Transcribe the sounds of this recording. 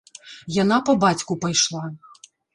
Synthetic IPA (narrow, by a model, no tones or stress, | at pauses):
janapɐbat͡sʲkupajʂlˠa